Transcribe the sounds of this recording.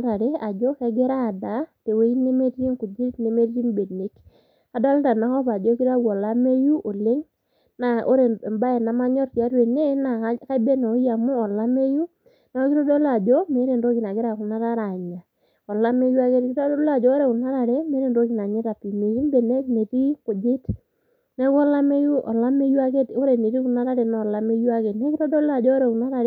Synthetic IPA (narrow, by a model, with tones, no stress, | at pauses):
ɾa˨ɾe˦a˨d͡ʒɔ˦kɛ˦ɡɪ˦ɾa˦˨da˨˦te˨we˦i˦ne˦me˦ti˦ŋku˨d͡ʒi˦tne˨me˦dɾi˦nbe˨dne˨˦k | a˨da˦lnda˨na˨˦ŋɔ˦pa˨d͡ʒo˦ki˦ɾa˦ɡɔ˨la˦me˦ju˦ʔo˨lɪ˦ŋ | na˨ʔo̰˦ɾe˨ba˦ɛ˨na˨ma˦ɲɔ˦ɾti˨a˨˦ɾwe˨ne˦na˨˦ka˦be˦no˨˦ja˨mʊ˦ɔ˨la˦me˦ju˦ | na˨˦kɪ˦ɾɔ˦dɔ˦la˨d͡ʒɔ˦me˨˦ɾe˨ndo˦ki˨na˨kɪ˦ɾa˨ku˨na˦ɾa˦ɾa˨ɲa˨ | ɔ˨la˦me˦ju˦a˦ke˦ɾkɪ˦tɔ˦dɔ˦la˨d͡ʒɔ˦ɾe˨kʊ˨na˦ɾa˨ɾe˦me˦ɾe˦˨ndo˦ki˨na˨ɲɪ˦ta˨pi˨me˨ki˦nbe˨nɛ˦ne˨ti˦kʊ˨d͡ʒɪ˦t | nɛ˦kɔ˦la˦me˦ju˦ʔɔ˨la˦me˦ju˦a˦ke˦to˦ɾe˨ne˨ti˦ku˨na˦ɾa˦ɾɛ˨nɔ˨la˦me˦ju˦a˦ke˨nɛ˦kɪ˦ɾɔ˦dɔ˦la˨d͡ʒɔ˦ɾɛ˨ku˨na˦ɾa˨ɾ